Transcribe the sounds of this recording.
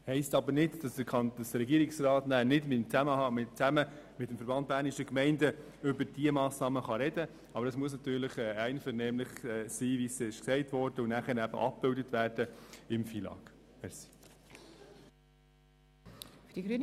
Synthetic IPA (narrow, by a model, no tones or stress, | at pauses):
hɛɪstɑbəɾnɪtd̥ɑsd̥̪əɾkʰɑnəsɾɛɡiəɾɪksrɑːtnæːnɪdmɪtmt͡sæməhɑmɪt͡sæmə | mɪtːmfəɾbɑnt̚b̥æːɾnɪʃəkmɛɪndə | ʏbəɾd̥iəmɑːsnɑːməχɑɾɛd̥ə | ɑbəɾəsmuəs̬nɑt̪yːɾlɪχɛːæɪnfəɾnɛːmlɪχɛsiːʋisɪʃksɛɪtʋɔɾd̥əʊnæχəɾæb̥ə̰ʔɑ̰p̚b̥ɪldətvʋæːrd̥əɪmfiːlɑ̰ːɡ̥mɛɾsi̥ | fd̥iɡɾyː